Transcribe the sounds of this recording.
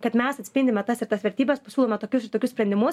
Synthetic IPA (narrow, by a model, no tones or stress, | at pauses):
kɐt̪mʲɛsɐt̪ʲsʲpʲɪndʲɪmʲɛt̪ɐsɪɾt̪ɐsʋʲɛɾʲt̪ʲiːbʲɛspɐsʲuːlˠoːmʲɛt̪oːkʲʊsɪɾt̪oːkʲʊsʲpʲɾʲɛnd̪ʲɪmʊ